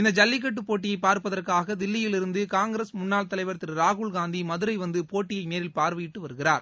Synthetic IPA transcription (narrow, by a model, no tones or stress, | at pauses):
ɪnd̪ɐd͡ʒɐlːɪk̬ːɐʈ̬ːɯpːoːʈːɪjɐɪpaːɾpɐðɐrkaːɣɐd̪ɪlːɪjɪlɪɾɯnd̪ɯkaːŋɡɪɾɐsmʊnːaːlt̪ɐlɐɪʋɐɾt̪ːɪɾɾaːɣʊɭɡaːnd̪imɐðɯɾɐɪʋɐnd̪ɯpoːʈːɪjɐɪmeːɾɪlpaːɾʋɐjɪʈːɯʋɐɾɯɣɪra̰ːɾ